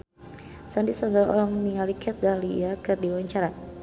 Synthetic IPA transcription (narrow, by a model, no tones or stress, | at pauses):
sandisanbalɔ̰lɔŋniŋalikʰɛt̪̚ɡaliakɨrdiwaɲt͡ʃaɾa